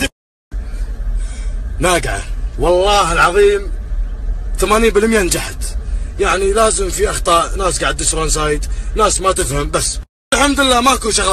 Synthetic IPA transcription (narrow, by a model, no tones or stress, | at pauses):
naːɡʕa̰wɑlˤːɑːɦɪlʕɑðˤiːm | θamaːniːnbɪlmjand͡ʒaħat̪jaʕnilaːzɪmfiʔɑxt̪ˤɑːʔnaːsɡaʕɪd̪ːɪʃɾans̬aːjɪd̪naːsmat̪ɪfhambasː | lħamd̪lːaːmaʔkuːnʃaɣ